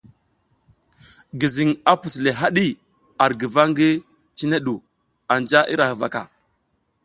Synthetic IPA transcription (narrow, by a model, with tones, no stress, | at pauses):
ɡi˨zi˨ŋa˨pu˨sle˨ɦa˦ɗi˦ | a˨ɾɡi˨va˦ŋɡi˦ | t͡ʃi˦ne˦ɗu˨ | a˨nd͡ʒa˦ʔḭ˦ɾa˨hə˨va̰˨ka̰˨